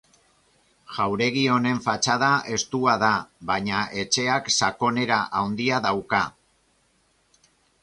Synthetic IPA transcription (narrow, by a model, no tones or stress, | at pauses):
ʝ̥awɾe̞ɣ̞io̞ne̞ɱfat͡ʃað̞ae̞st̪uaðaβaɲaʔe̞t͡ʃe̞aksako̞ne̞ɾaʔawnd̪iaðawka